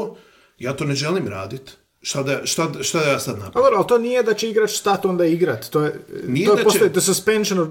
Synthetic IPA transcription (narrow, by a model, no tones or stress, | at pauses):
jaːt̪oːneʒeliːmɾa̰ːd̪it̪ | ʃt̪ad̪aʃt̪aʃt̪ad̪ajaːsad̪na̰paɡoɾalˠt̪onijed̪at͡ɕeiɡɾat͡ʃst̪at̪o̞nd̪aiɡɾat̪t̪oːjenioepost̪ojid̪esuspenʃono